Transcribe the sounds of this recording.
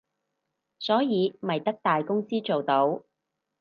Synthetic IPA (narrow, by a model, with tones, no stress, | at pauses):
sɔː˨˥jiː˨˧mɐ˨˩jt̪ɐ˥k̚t̪aː˨jkʊ˥ŋsiː˥t͡so˨wt̪o˨˥w